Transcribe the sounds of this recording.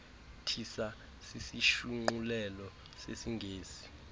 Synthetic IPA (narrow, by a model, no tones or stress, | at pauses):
tʰisa | sisiʃuŋ͡ǃulɛlɔ | sesiŋɡʱeːsi̥